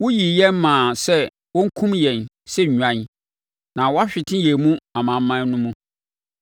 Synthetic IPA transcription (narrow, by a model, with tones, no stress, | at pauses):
wʊ˦ji˨jɛ˦m˦mãː˨sɛ˦ | wɔ̃˦ŋ̩˦kʰũ˦mjɛ̃˨n | sɛ˦ɲ˨ɲᶣu˨ã˨˦ | nã˨wɔ˦a˦ɕᶣɪ˨tʰɪ̃˦jɛ˨mũ˦a˨mã˨m˦mã˦n˦nʊ̃˦mũ˦